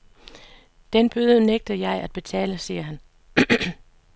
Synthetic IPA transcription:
d̥enb̥øːðˠəneɡ̥̚d̥ɐjɑ̈ɪæd̥̚b̥e̝t͡sʰɛ̰ːləsiːɐɦæn

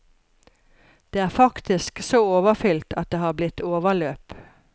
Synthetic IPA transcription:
d̪̥eːæːʁfɑkt̪ɪsksoːoːʋəfʏlt̪ɑt̪̚d̪eːhɑːblɪt̪oːʋəɭøːp

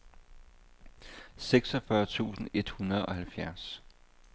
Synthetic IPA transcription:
seɡ̥sɒfɶɐt͡sʰṵːsn̩e̝d̥hunɐð̞̩ˠɒ̽hælfjæɐs

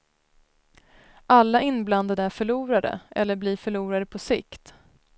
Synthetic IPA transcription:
ʔalːaʔɪnbland̪ad̪əæɾfœɭuːɾad̪ə̰ʔɛ̰lːəɾbliːɾfœɭuːɾad̪əpʰɔsɪkt̪

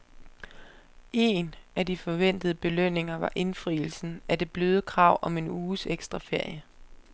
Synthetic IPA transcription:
e̝nʔæd̥ifɒ̽ʋen̰d̥ð̞ˠəb̥e̝løn̰e̝ŋɐʋɑ̈ʔe̝nfʁiːl̩sn̩æd̥e̝b̥løːð̞ˠəkʰʁɑ̈ʊ̰ʔɒ̽me̝nuːseɡ̥sd̥ʁɑ̈fe̝ɐ̰jə

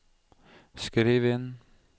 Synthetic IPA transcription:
skɾiːʋen

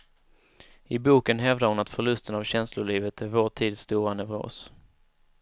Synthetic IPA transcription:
ɪbuːkənɦɛvd̪aɾhʊnat̪fœɭɵst̪ənavɕɛnslʊɭiːvət̪ʰæɾvoːʈʰiːd̪st̪uːɾanɛvɾo̰ːs

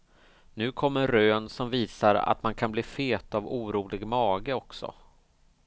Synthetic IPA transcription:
nʉ̟ːkʰɔmːəɾɾøːnsɔmviːsaɾa̰t̪mankʰanbliːfeːt̪avuːɾuːlɪɡmɑːɡəɔksɔ̰

